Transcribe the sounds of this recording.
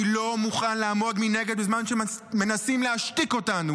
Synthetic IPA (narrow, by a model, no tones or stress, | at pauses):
lo̞muχanlaːmo̞dmine̞ɡe̞d̪bezmanʃemme̞nasimleaʃtiko̞tanu